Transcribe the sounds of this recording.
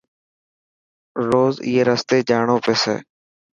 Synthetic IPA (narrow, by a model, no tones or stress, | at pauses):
ɾoːzḭːeːɾəst̪eːd͡ʒaːɳoːpeːsḛː